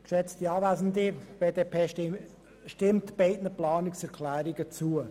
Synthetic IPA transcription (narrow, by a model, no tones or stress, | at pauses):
kʃɛt͡st̪iɑːvæzən̩dib̥eːdeːpʰeː | ʃtɪmtb̥eɪtnəplɑːnɪksɛɾkʰlæːɾiɡət͡suə